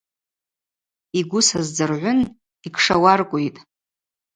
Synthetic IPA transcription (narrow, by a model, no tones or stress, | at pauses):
iɡʷʊsazd͡zɨrʕʷʊn | ikʰʂawarkʷʼʊjtʼ